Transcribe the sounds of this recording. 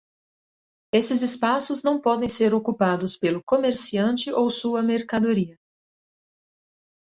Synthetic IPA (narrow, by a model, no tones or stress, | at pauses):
esɪzɪspasʊznɐ̃w̃pɔd̪ẽj̃seɾokupad̪ʊspelʊkomeɾsiɐ̃nt͡ʃɪʔowsuɐmeɾkad̪oɾiɐ